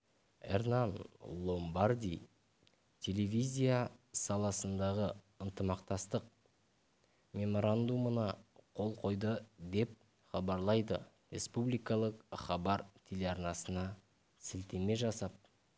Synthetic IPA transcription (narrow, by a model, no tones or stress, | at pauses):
ḛrnanlˠo̞mbaɾd̪ʲij | t̪ʲʰe̞le̞vʲizʲijasɑlˠɑsənd̪ɑʁə | ənt̪əmɑqt̪ɑst̪əq̚ | mʲe̞mo̞ɾand̪umənɑqʰo̞lˠqʰo̞jd̪əd̪e̞p̚ | χɑbɑɾlˠɑjd̪ə̰ | ɾʲe̞̰spublijkɑlˠəqχɑbɑɾt̪ʲʰelʲeɑɾnɑsənɑ | sɪlt̪e̞me̞ʒɑsɑp̚